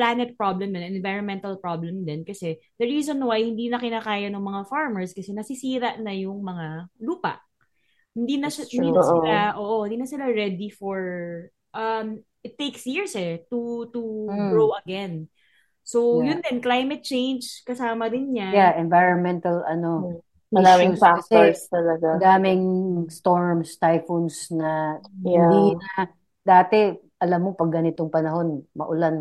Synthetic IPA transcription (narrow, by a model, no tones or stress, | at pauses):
plaːnɛt̪̚pɹoblɛmd̪ɛnɛnvajɹɔnmɛ̃nt̪ɐlpɹoblɛmd̪ɛnkɐsɛd̪̥ɐɹiːzonwajhɪnd̪iːnɐkɪnaːkaːjɐnɐŋmɐŋafaɹmɛɹskɐsɛnɐsɪsiːɾɐʔnɐjʊŋmɐŋaluːpɐ̰ʔ | hɪnd̪inɐʃahɪnd̪inɐsɪlaʔoːʔohɪnd̪iːnɐsɪlaɹɛd̪ifoɹ | ʔɐm | ʔɪt̪ːejksjiɹsɛt̪ut̪uɡɹowɐɡɛn | sowjʊnd̪ɛnklajmɛt̪̚t͡ʃẽjnd͡ʒkɐsaːmɐd̪ɪnɲajaʔɛnvajɹɐnmɛnt̪ɐlɐno̞ | ʔmɐiɾaːmɪupaksɛst̪ɐlɐɡad̪aːmɪŋst̪o̞ɹmst̪ajfonsnɐ | i | d̪aːt̪ɛ | ʔɐlamːo̞pɐɡːɐnɪt̪oŋpɐnɐɦo̞nmɐ̰ʔʊlan